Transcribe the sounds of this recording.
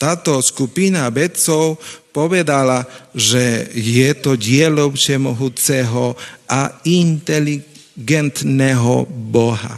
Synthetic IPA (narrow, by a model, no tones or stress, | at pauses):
t̪aːt̪ɔskupinabɛt͡sɔwpɔʋɛd̪alaʒɛjɛt̪ɔɟɪɛlɔwt͡ʃɛmɔɦut͡sɛɦɔʔaint̪ɛli | ɡɛnt̪nɛɦɔ̰bɔɦa̰